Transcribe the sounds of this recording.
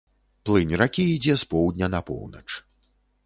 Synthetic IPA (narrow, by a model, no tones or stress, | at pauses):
plˠɨnʲrakʲiːd͡zʲɛspɔwd̪ʲnʲɐnɐpɔ̰wnɐ̰t͡ʂ